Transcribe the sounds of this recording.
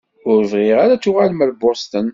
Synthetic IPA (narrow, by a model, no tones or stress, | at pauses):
ʊɾəvʁɪʁaɾat͡sːuʁalməɾbost̪ən